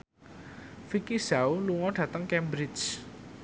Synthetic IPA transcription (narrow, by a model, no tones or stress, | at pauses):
fikisauluŋɔɖ̥ä̤t̪əŋkɛmbɾid͡ʒ